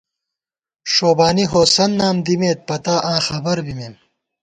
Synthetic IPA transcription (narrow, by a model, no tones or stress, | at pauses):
ʂoːbaːniɦoːsɐnːaːmd̪imeːt̪̚pɐt̪aːʔãːxɐbɐɾbimeːm